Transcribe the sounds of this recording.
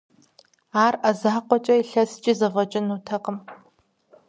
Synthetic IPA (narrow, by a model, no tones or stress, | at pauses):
aːrɐzaːqʷɔt͡ʃʼɐiɬɐst͡ʃʼizɐvɐt͡ʃʼɪnuːtʰɐqəm